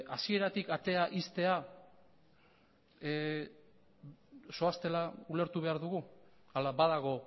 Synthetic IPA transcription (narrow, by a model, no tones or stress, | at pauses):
asie̞ɾat̪ikat̪e̞aʔist̪e̞a | so̞ast̪e̞laule̞ɾt̪uβ̞e̞aɾðuɣu | alabaðaɣ̞o̞